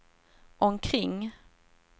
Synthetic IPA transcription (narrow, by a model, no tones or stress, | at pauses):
ʔɔmkʰɾɪŋː